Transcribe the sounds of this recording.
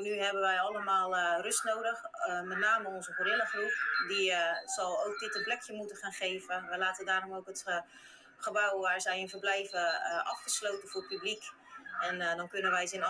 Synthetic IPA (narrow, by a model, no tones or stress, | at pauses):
nyɦɛbəʋɛjɔləmaːlˠrøstnoːdəxmɛtnaːməɔnzəkorɪləxrupdizɔlˠoːk̚dɪtənplɛkʰjəmutəχaːnχeːvəʋɛjlaːtədaːromokət | χəbawʋaːɹzɛjənfərblɛjvəʔɑ̰fχəsloːtəfʊːrpyblik | ɛndɔnkønənʋɛjsɪn